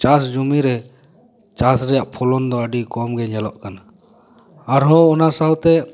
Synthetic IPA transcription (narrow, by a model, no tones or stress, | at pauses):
t͡ʃasd͡ʒumiɾɛ | t͡ʃasɾɛjaʔpʰulɔnd̪ɔaɖikɔmɡɛɲɛlɔʔkanaː | ɾɦɔɔnasaɦɔt̪ɛ